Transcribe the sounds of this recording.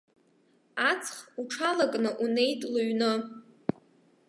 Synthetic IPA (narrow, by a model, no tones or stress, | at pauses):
at͡sʰʼχuʈ͡ʂʰalakʼnɨʔune̞jtʼluɥnɨ